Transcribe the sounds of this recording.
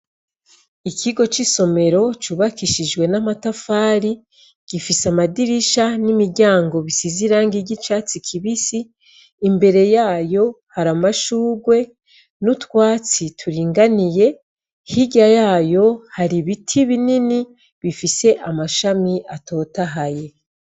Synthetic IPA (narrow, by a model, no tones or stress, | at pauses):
ikʰiɡo̞t͡ʃiso̞me̞ɾo̞t͡ʃuβakiʃid͡ʒwe̞namatafaːɾi | ɡ̥ifisamadiɾiʃanimiɾɟaːŋɡo̞βisiziɾaŋɡiɟit͡ʃaːt͡sikʰiβisiː | mbe̞ɾe̞jaːjo̞ | haɾamaʃuːɡwe̞ | nutwaːt͡sitʰuɾiːŋɡanije̞ | hiɟajaːjo̞haɾiβitʰiβinini | βifise̞ʔamaʃamiʔato̞ːtaɦaje̞